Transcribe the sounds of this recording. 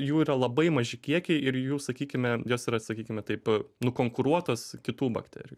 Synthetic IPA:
juːiːɾɐlˠɐbɐɪmɐʒʲɪkʲiɛkʲɛɪɪɾjuːsɐkʲiːkʲɪmʲɛjoːsiːɾɐsɐkʲiːkʲɪmʲɛt̪ɐɪpnʊkoːŋkʊɾuɔt̪oːskʲɪt̪uːbɐ̰kt̪ʲæ̰ːɾʲɪjuː

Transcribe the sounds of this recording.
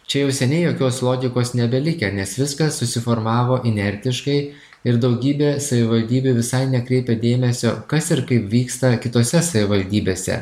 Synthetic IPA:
t͡ʃʲɛjɛʊsʲɛnʲɛɪjoːkʲoːslˠoːɡʲɪkoːsnʲɛbʲɛlʲɪkʲɛnʲɛsʋʲɪskɐssʊsʲɪfoːɾmɑːʋoːʔɪnʲɛɾʲt̪ʲɪʃkɐɪ | ɪɾd̪ɒʊɡʲiːbʲeːsɐʋʲɪʋɐlʲd̪ʲiːbʲuʋʲɪsɐɪnʲɛkɾʲɛɪpʲɛd̪ʲeːmʲɛsʲo̰ːkɐsɪɾkɐɪpʋʲiːkst̪ɐkʲɪt̪oːsʲɛsɐʋʲɪʋɐlʲd̪ʲiːbʲeːsʲɛ̰

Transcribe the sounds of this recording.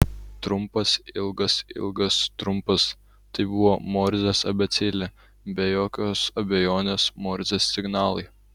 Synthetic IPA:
t̪ɾʊmpɐsɪlˠɡɐsɪ̰lˠɡɐst̪ɾʊmpɐs | t̪ɐɪbʊʋoːmoːɾʲzʲesɐbʲɛt̪sʲɪlʲɛ | bʲɛjoːkʲoːsɐbʲejoːnʲeːsmoːɾʲzʲesʲsʲɪɡnɑːlˠɐɪ

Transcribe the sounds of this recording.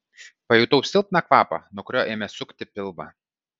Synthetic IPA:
pɐjɛˑt̪ɐʊsʲɪlˠp̚ʲnɑkʋɑːpɐ̰nuɔkʊɾʲoːʔeːmʲɛsʊkʲt̪ʲɪpʲɪlˠbɐ̰

